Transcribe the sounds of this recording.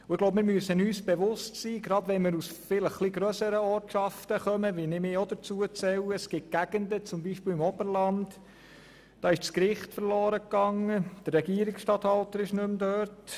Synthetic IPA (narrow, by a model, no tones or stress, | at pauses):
ʊɪɡ̥lowbpmɪːɾmyəsənyːsb̥eʋʊstsiːɡɾɑdʋɛnmɪːɾusfɪləχχliɡɾœsəɾəɔːɾtʃɑftəχœməʋinɪmɪːod̪ət͡suət͡sɛwəsɡ̥ɪt̚ɡ̥æɡ̥əndət͡sʊmbiːʃpɪːlɪmɔbəɾlɑnd | d̥ɑːɪʃt͡skɾɪχtfəɾlɔːɾəkːɑŋːəd̪̥ərːɛɡiəɾɪksʃtɑt̪hɑltəɾɪʃnɵmdøːɾt